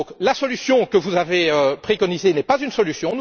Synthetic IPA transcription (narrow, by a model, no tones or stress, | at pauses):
klasɔlysjɔ̃kəvuzaveøpχekɔnizenɛpazynsɔlysjɔ̃n